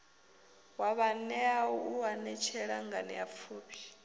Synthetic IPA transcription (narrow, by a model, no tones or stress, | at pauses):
waβanɛauwanɛt͡ʃʰɛɺa̰ŋɡanɛ̰ap̪fʰuːpʰi̥